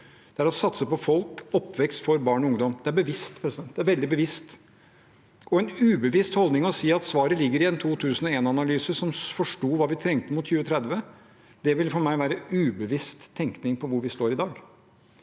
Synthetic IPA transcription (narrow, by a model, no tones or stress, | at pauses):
d̪̥ɛæɾɔsɑt̪səpɔfɔlkɔpːʋɛkst̪fɔɾbɑːɳɔʊŋd̪ɔmd̪ɛæɾbəʋɪst̪pʰɾɛsɪd̪ɛnt̪d̪ɛæɾʋɛld̪ɪbəʋɪst̪ | ɔɛnʉːbəʋɪst̪hɔld̪nɪŋɔɔsiːɑt̪sʋɑːɾəlɪɡːəɾɪɛnt̪ʰuːt̪ʰʉːsnɔeːnɑnɑlyːsəsɔmfɔʂʈuːʋɑːʋɪt̪ʰɾɛŋt̪əmʊt̪çʉːʋət̪ʰɾɛd̪ʋə | d̪̥ɛʋɪlfɔɾmæɪʋæːɾəʉːbəʋɪst̪ʰːɛŋknɪŋpʰɔʋʊɾʋɪst̪oːɾɪd̪ɑːɡ